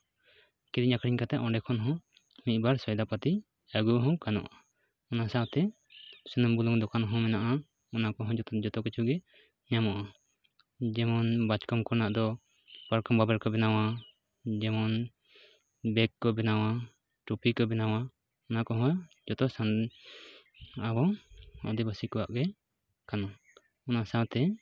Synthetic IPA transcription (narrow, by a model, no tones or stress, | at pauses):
kɛɾiɲakɾiɲkat̪ɛʔɔ̃ɳɖɛkʰɔnɦɔ̃ | mit̪̚baɾsɔjd̪apat̪i | aɡuɦɔ̃kanɔ̰ʔa | ɔnasat̪ɛ | sənɔmbulɔŋd̪ɔkanɦɔ̃mɛnaʔa | ɔnakɔɦɔ̃d͡ʒɔt̪d͡ʒɔt̪ɔkɔt͡ʃʰuɡɛ | ɲamɔʔa | d͡ʒɛmɔnbat͡ʃkɔmkɔɾnaʔd̪ɔ | baɾkɔmbabɛɾkɔbɛnawa | d͡ʒɛmɔn | bɛkːɔbɛnawa | ʈupikɔbɛnawa | ɔnakɔɦɔ̃d͡ʒɔt̪ɔsan | abɔɔ̰d̪ɛbasikɔwa̰ʔɡɛ | kana | ɔnaʔsawt̪ɛ